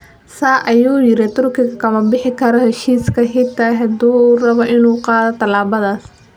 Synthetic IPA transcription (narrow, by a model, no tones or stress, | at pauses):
saːʔɐjuːjɪɾɪt̪ʰʊrkɪɣɐkʰɐmɐbɪħɪkʰɐɾɔhɛʃiːskʰɐɦɪt̪ʰaɦɐd̪uːrɐβɔʔɪnuːqɑːðɔt̪ʰɐlaːβɐðaːs